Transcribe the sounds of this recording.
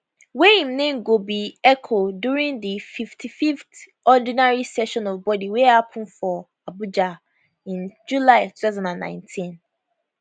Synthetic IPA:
wehĩmnẽmɡobiɛkʰoduɹĩŋdififtʰifift | ɔdĩnaɹisɛʃɔ̃nɔvbɔdiwɛhapʰʊ̃nfɔ | abud͡ʒa | ĩnd͡ʒulaɪtʰu̥taʊzɔ̃ndãnːã̰ɪ̃ntʰĩn

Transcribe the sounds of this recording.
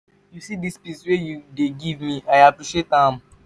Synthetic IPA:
jusidispiswejudeɡivmĩʔaɪapɹiʃietãm

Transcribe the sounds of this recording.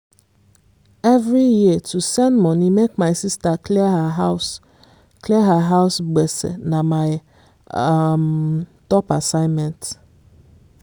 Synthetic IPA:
ɛvɹijitʰusɛ̃ndmɔ̃nimekmaɪsistaklihaɦaʊs | klɛɦaɦaʊsɡ͡bɛsḛnamaɪ | mtɔpasãɪ̃nmɛ̃nt

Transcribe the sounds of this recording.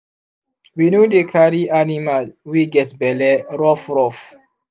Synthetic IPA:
winodekʰaɾianimalwiɡɛtbɛlɛɾɔfɾɔf

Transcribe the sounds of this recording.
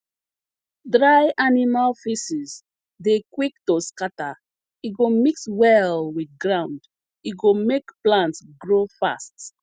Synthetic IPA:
dɹajʔanimalfisiz | dekwiktoskata | it̚ɡomikswɛlwiθɡɹãʊ̃nd | it̚ɡomekplãntsɡɹofa̰st

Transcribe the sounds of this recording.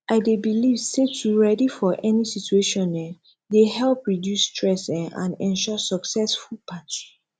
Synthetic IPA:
ʔaɪdebilivsetʰuɹɛdifɔʔɛnisitueʃɔ̃nɛ | dehɛlpɹidjusːtʰɹɛsã̰nɛ̃nʃɔsɔksɛsfulpʰati

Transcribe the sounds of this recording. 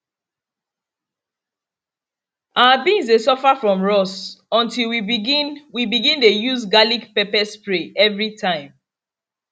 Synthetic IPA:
ʔaabĩŋzesɔfafɹɔ̃mɹɔsɔ̃ntilwiɡinwibiɡĩndejuzɡalikpɛpɛspɹeɛvɹitʰãɪ̃m

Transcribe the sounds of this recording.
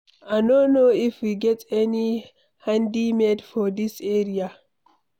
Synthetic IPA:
aɪnonoːɪfwiɡɛtɛni | hãndimedfɔd̪iseːɹia

